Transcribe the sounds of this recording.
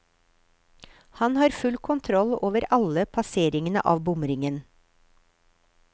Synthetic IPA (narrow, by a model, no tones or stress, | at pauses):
hɑnhɑːɾfʉlkʰʊnt̪ʰɾɔloːʋəɾɑləpʰɑseːɾɪŋənə̰ʔɑ̰ːʋbʊmɾɪŋən